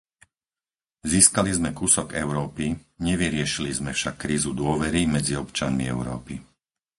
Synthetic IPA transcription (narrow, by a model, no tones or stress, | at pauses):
ziːskalizmɛkusɔɡɛʊɾɔːpiɲɛʋiɾɪɛʃilizmɛfʃakːɾiːzud̪ʊɔʋɛɾimɛd͡ziɔpt͡ʃanmiɛʊɾɔ̰ːpi